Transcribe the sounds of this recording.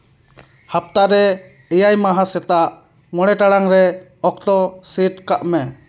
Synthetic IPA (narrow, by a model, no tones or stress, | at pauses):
hap̚t̪aɾɛ | ɛjajmaɦasɛt̪aʔ | ŋɔɽɛʈaɽaŋɾɛ | ɔk̚t̪ɔsiʈ̚kaʔmɛ